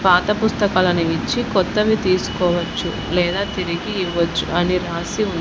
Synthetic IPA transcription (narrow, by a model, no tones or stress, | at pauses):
paːt̪ɐpust̪ɐkaːlɐnuit͡ʃːikɔt̪ːɐʋit̪iːsu̥kɔːʋɐt͡ʃːṵ | lɛːd̪aːt̪iɾiɡiːʋːɐt͡ʃːuʔɐniɾaːsiun